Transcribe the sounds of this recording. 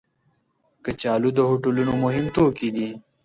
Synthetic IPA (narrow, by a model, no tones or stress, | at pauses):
kət͡ʃaːlud̪əhoʈulunomʊɦɪmt̪oːkid̪i